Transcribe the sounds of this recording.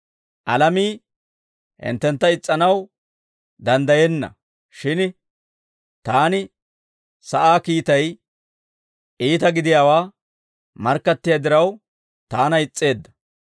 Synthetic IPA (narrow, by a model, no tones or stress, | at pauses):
ʔɐlɐmiː | hɪ̰nt̪ːɛnt̪ːɐɪt͡sʼːɐnɐw | d̪ɐnd̪ɐjɛnːɐ̰ | ʃɪn | t̪aːnɪ | sɐʔaːkiːt̪ɐj | ʔiːt̪ɐɡɪd̪ɪjaːwaː | mɐɾkːɐt̪ːɪjad̪ɪɾɐw | t̪aːnɐɪt͡sʼːe̞ːd̪ːɐ̥